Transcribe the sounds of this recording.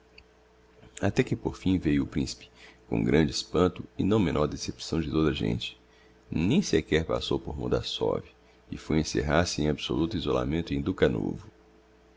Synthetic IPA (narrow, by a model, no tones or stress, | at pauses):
at̪ɛkɪpoɾfĩvejʊːpɾĩsi̥pɪ̥kõ̰ɡɾɐ̃nd͡ʒɪispɐ̃nt̪ʊɪnɐ̃w̃mẽnɔɾd̪esepsɐ̃w̃d͡ʒɪt̪od̪ɐʒḛ̃nt͡ʃɪ̥ | nẽj̃sekɛɾpa̰sowpoɾmõ̰d̪a̰sɔ̰vi | ɪfojẽsḛɦaɾsɪẽj̃abiso̰lut̪ʊizola̰mẽnt̪ʊẽd̪ukɐno̰vʊ